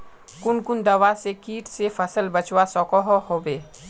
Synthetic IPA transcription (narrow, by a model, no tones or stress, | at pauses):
kʊnkʊnd̪ɐʋasekiːʈsefɐsəlbət͡ʃwasɔːkɔɦɔɦoːbeː